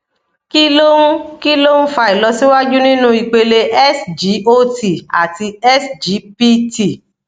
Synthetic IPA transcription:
ki˦lõ˦ki˦lo˦n̩˦fa˧i˨lɔ˨˧si˦wa˦d͡ʒu˦nĩ˦nũ˦i˧k͡pe˧le˧ʔɛ˦sd͡ʒi˨˦o˦ti˨a̰˨ti˧ɛ˦sd͡ʒi˨˦pi˦ti˨

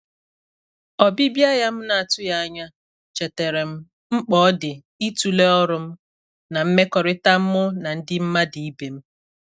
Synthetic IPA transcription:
ɔ˨bi˦bja˦ja˦m̩˦na˨a˨tʊ˦ja˦a˦ɲa˦ | t͡ʃe˨te˨ɾe˨m̩˦ | m̩˦k͡pɔ˨˦dɪ˨ | i˦tu˨le˦ɔ˦ɾʊ˦m̩˦ | na˨m̩˦me˦kɔ˨ɾɪ˦ta˦m̩˦mʊ˦na˨n̩˦dɪ˦m̩˦ma˦di˨i˦be˨m̩˦

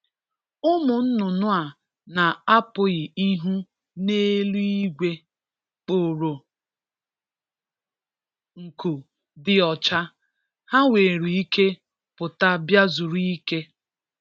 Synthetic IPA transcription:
ʊ˦mʊ˨n̩˦nʊ˨nʊ˦a˨ | na˨a˦pʊ˨ɣɪ˨i˦ɦu˦ | neː˦lu˦i˦ɡʷe˦ | k͡po˨ɾo˨ | ŋ̩˨ku˨ | dɪ˨ɔ˨t͡ʃa˦ | ha˦we˨ɾi˨i˦ke˦ | pʊ˨ta˦bja˦zʊ˨ɾu˦i˦ke˦

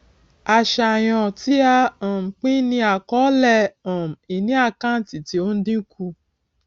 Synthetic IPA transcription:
a˧˨ʃa˨j̃ɔ̃˧ti˦a˧ɔ̃˨m̩˨k͡pĩ˦nĩ˧˦a˨kɔ˨˦lɛ˧˨ɔ̃˨m̩˨i˨nĩ˦a˦˧˨kã˦n̩˨ti˨ti˨˦o˦n̩˦dĩ˦ku˧

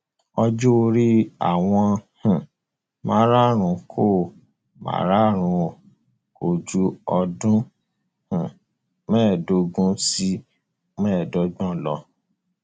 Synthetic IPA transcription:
ɔ˧d͡ʒu˦o˧ɾi˦a̰˨w̃ɔ̃˧hũ˨ | mã̰˨˦ɾa˦ɾ̃ũ˨˧˦kʰo˦˨ | mã̰˨˦ɾa˦˨ɾ̃ũ˨˧˨ | ko˨d͡ʒu˦ɔ˧dũ˦ | hũ˨ | mɛ̃ː˦˨do˧ɡũ˦si˦ | mɛ̃ː˦˨dɔ˨˦ɡ͡bɔ̃˦˨lɔ˧

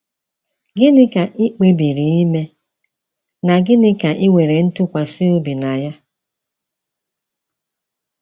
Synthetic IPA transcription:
ɡɪ˦nɪ˦ka˨ʔɪ˦k͡pe˦bi˨ɾi˨i˦me˦ | na˨ɡɪ˦nɪ˦ka˨ʔɪ˦wʷe˨ɾe˨n̩˦tʊ˦kʷa˨si˦o˦bi˨na˨ja˦

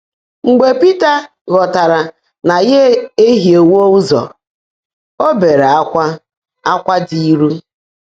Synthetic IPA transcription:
ŋ͡m̩˨ɡ͡be˨pi˦ta˨ | ɣɔ˨ta˨ɾa˨ | na˨je˦e˦ɦi˨e˨wo˦u˦zɔ̰˨ | o˦be˨ɾe˨a˦kʷa˦ | a˦kʷa˦di˦˨i˦ɾu˦

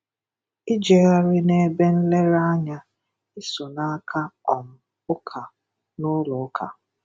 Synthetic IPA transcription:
i˦d͡ʒe˨ɣa˦ɾɪ˦ne˦be˦n̩˦le˦ɾa˦ɲa˦ | ɪ˦so˨na˦a˦kʰa˦ɔ˨m̩˦ | ʊ˦kʰa˨ | nʊ˦lʊ˨ʊ˦kʰa̰˨

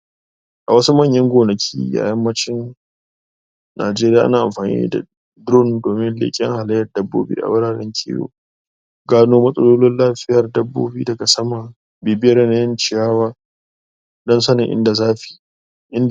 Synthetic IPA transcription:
ʔa˨wɐ˦su˦mɐ˦˨ɲjɐ˦ŋɡʷoː˨nɐ˨kʲʰḭː˦ja̰˨jɐ˦mːɐ˦t͡ʃɪ˦n | na̰ː˨d͡ʒeː˦ɾɪ˦jaː˨ʔa˦naː˨ʔa̰˨mɸaː˨nḭː˦da̰˨ | dʊ˦˨ndoː˨mɪ˦nlɪ̰˦kʲʼɪ̰˦ŋha˨lɐ˦jːɐ˨rdɐ˦bːo̰ː˦bḭː˦ʔa̰˨wʊ˦ɽaː˨ɽɛ̰˦ŋkʲʰḭ˦jo̰ː˨ | ɡaː˦noː˦mɐ˦sʼɐ˦loː˦lɪ˦nlaː˦ɸɪ˦jɐ˨rdɐ˦bːo̰ː˦biː˦dɐ˨ɡa˨sɐ˦ma˨ | beː˨bɪ˦jɐ˦rɛ˦na˦jɐ˦nt͡ʃɪ˨jaː˦waː˦ | dɔ˦nsɐ˦nɪ˨ʔɪ̰˦nda˨zaː˦ɸi̥˨ | ʔɪ˦n

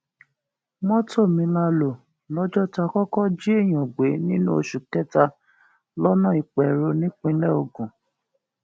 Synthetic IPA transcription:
mɔ̃˦to˦˨mĩ˧la˧lo˨ | lɔ˦d͡ʒɔ˦ta˧kɔ˦kɔ˦d͡ʒi˦e˦˨j̃ɔ̃˨ɡ͡be˨˦nĩ˦nṵ̃˦o˧ʃu˨kɛ˦ta˧ | lɔ˦nɔ̃˦˨i˨k͡pɛ˨ɾo˧nĩ˦k͡pĩ˧˦lɛ˦o˧˨ɡũ˨

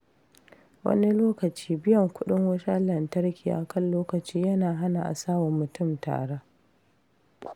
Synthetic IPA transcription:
wɐ̰˦ni˦loː˦kɐ˨t͡ʃi̥ː˦bɪ˦jɐ˨ŋkʷʊ˦ɗɪ˦ŋwɐ˦ʃa˦lɐ˨ntɐ˦ɾkʲʰi˨ʔa̰˨kɐ˦nloː˦kɐ˨t͡ʃiː˦jɐ˦naː˨ɦa˦na˨ʔa̰˨saː˦wɔ˨mːʊ˨tʊ˦˨mta̰ː˨ɽa˦

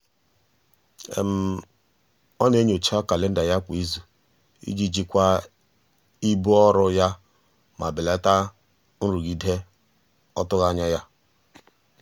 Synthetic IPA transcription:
ḛ˨m̩˨ | ɔ˦ne˦ɲ˦˨o˨t͡ʃa˦ka˨le˦n̩˦da˨ja˦kʷi˦zu˨ | ḭ˦d͡ʒi˦d͡ʒi˦kʷa˦ | i˦bu˦ɔ˦ɾʊ˦ja˦ | ma˨bɪ˨le˦ta˦ | n̩˦ɾu˨ɡi˨de˦ | ɔ˦tʊ˦ɣa˦ɲa˦ja˦

